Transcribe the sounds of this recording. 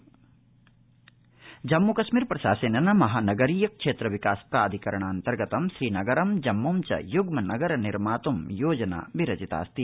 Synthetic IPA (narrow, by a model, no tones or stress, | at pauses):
d͡ʒɐmːukɐʃmiːɾpɾɐʃa̰ːsɐnɐnɐmɐɦaːnɐɡɐɾiːjɐkʂeːt̪ɾɐʋikaːspɾaːd̪ʱikɐɾɐɳ̃aːnt̪ɐɾɡɐt̪ɐmʃɾiːnɐɡɐɾɐmd͡ʒɐmːomt͡ʃɐ̰juɡmɐnɐɡɐɾɐniɾmaːt̪umjoːd͡ʒɐna̰ːbiɾɐd͡ʒit̪a̰ːst̪i